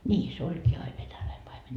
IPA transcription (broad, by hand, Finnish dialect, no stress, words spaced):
niː se olʲkiː ɑi ʋenælæi pɑime